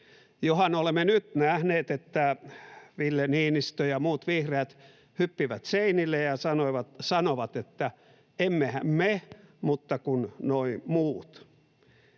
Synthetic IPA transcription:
johɑnolemːenyt̪næhneːt̪et̪ːæʋilːeniːnist̪øjɑmuːt̪ʋihreæːt̪ | hypːiʋæt̪seinilːejɑsɑnoiʋɑt̪sɑnoʋɑt̪et̪ːæ | emːehæmmemut̪ːɑkunnoimuːt̪

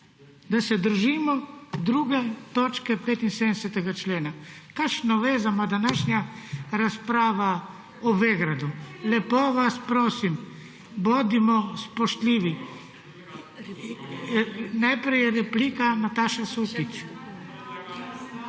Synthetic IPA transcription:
d̪asɛd̪əɾʒiːmɔd̪ɾuːɡɛt̪oːt͡ʃkɛpeːt̪insed̪nɛsɛt̪ɛɡat͡ʃleːnakaʃnɔʋeːzamad̪anaʃɲaɾaspɾaːʋa | ɔʋeɡɾad̪ulɛpoʋaspɾoːsim | bɔːd̪imɔspɔʃt̪liːʋi | najpɾɛjɛɾɛpliːkanat̪aːʃasupit͡ʃ

